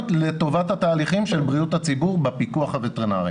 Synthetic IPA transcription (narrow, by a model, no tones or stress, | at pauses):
tlet̪o̞vat̪hat̪aːliχimʃelbʁiut̪hat͡sibuʁbepikuaχavet̪eʁnaʁi